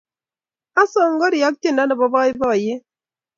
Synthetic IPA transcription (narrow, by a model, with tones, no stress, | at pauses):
a˦sɔ˨ŋ˦ɡɔ˦ɾi˨a˨˦k̚te˦nda˦nə˨bɔ˨bɔ˦ɪ˦bɔ˦˨je˦